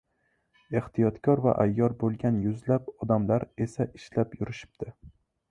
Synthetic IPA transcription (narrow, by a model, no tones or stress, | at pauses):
e̞ht̪ʰijɒt̪kʲʰɒɾva̰ʔajːɒɾbolˠɡʲanjʊzlapɒd̪amlaɾe̞saʔɪʃlapjʊɾɪʃɪ̥p̚d̪̥ʰɪ